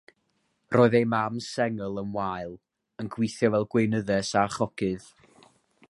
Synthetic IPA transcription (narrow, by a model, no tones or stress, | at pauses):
rʔoːɨðejmamsɛŋəlˠənwajlˠ | ənɡwɪθjɔvɛlˠɡwejnəðɛsaχɔkʰɨð̥